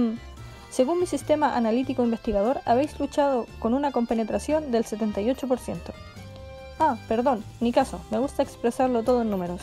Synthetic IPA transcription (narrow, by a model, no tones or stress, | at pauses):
se̞ɣunmisist̪emaʔa̰nalit̪ikoimbest̪iɣað̞o̞ɾaβe̞jslut͡ʃaðoko̞nunako̞mpenet̪ɾasjo̞nd̪elset̪e̞nt̪ajo̞t͡ʃopoɾsje̞nt̪o̥ | ape̞ɾðo̞nːikasomeɣust̪aekspɾesaɾlot̪oðoenːume̞ɾos